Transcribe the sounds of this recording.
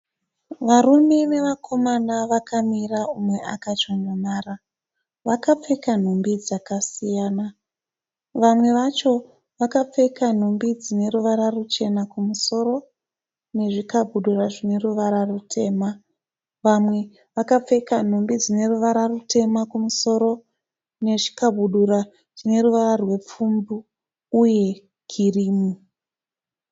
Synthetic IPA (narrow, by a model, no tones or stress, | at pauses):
ʋaɾumene̞ʋakʰo̞manaʋakʰamiraumwe̞ʔakat͡ʃoɲamaːra | ʋakap͡fe̞kan̤umbid͡zakasijaːna | ʋamwe̞ʋat͡ʃo̞ | ʋakap͡fe̞kan̤umbid͡zine̞ɾuʋaɾarut͡ʃe̞nakumuso̞ro̞ | ne̞ʐikabʱuɗuraʐine̞ruʋaɾarutʰe̞ːma | ʋamwe̞ | ʋakap͡fe̞kan̤ombid͡zine̞ruʋaɾarutʰe̞makumuso̞ɾo̞ | ne̞ʐi̥kabʱuɗuɾa | ʐ̥ine̞ruʋararwe̞p͡fumbuː | je̞ | kʰiriːmu